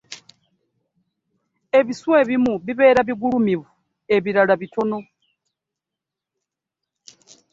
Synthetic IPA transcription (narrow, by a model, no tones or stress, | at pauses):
eβisuweβimuβiβɛɾaβiɡuɺumiβu | eβiɾaɺaβitʰɔnɔ